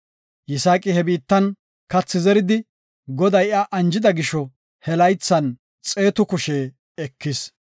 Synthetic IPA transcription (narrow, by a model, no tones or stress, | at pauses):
jɪsaːkʼɪhɛbiːt̪ːɐn | kɐt͡sːɪzɛɾɪd̪ɪ | ɡɔd̪ɐjaʔɐnd͡ʒɪd̪ɐɡɪʃɔ | hɛlɐjt͡sːɐn | t͡sʼe̞ːt̪ʊkʊʃe | ɛkːɪs